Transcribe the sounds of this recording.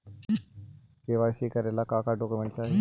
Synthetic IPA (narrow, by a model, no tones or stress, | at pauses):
keːʋaːsekəɾeːlakaːkaɖoːkumẽɳʈsaːɦe